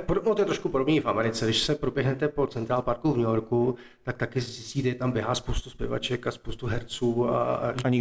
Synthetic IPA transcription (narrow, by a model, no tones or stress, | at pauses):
podonot̪ojɛt̪ɾoʃkupo̞do̞bniːfʔamɛɾɪt͡sɛdɪʃsɛpɾobjɛɦnɛt̪ɛpo̞t͡sɛnt̪ɾaːlpaɾkuvɲɛjoɾku | t̪ak̚t̪akɪszɪsciːʒɛjɛt̪ambjɛɦaːspowst̪uspjɛ̰va̰t͡ʃɛkaspowst̪uɦɛɾt͡suːa̰aɲɪ